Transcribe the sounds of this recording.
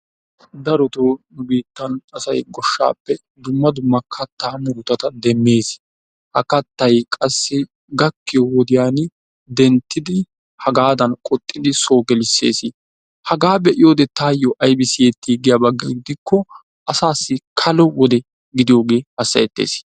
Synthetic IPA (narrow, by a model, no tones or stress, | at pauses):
d̪ɐɾɔt̪oːnʊbiːt̪ːɐnɐsɐjɡɔʃːa̰ːpːɛ | d̪ʊmːɐd̪ʊmːɐkʰɐt̪ːaːmuːt̪ɐt̪ɐd̪ɛmːe̞ːs | hɐkɐt̪ːɐjkʼɐsːɪ | ɡɐkːɪjɔwɔd̪ɪjaːn | d̪ɛnt̪ːɪd̪ɪ | hɐɡaːd̪ɐnkʼɔt̪ʼːɪd̪ɪso̞ːɡɛlɪsːḛːsɪ | hɐɡaːbɛʔɪjo̞ːd̪ɛt̪aːjːɔʔɐjbɪsɪjɛt̪ːiːɡɪjabɐɡːɐɡɪd̪ɪkːɔ | ʔɐsaːsːɪkʰɐlɔwɔd̪ɛ | ɡɪd̪ɪjo̞ːɡeːhɐsːɐjɛt̪ːḛːs